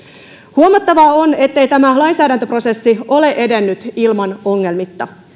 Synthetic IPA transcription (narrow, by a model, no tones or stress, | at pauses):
huomɑt̪ːɑʋɑone̞t̪ːe̞jt̪æmælɑjnsæːdænt̪øpro̞se̞sːio̞le̞ʔe̞de̞nːyt̪ilmɑno̞ŋːe̞lmit̪ːɑ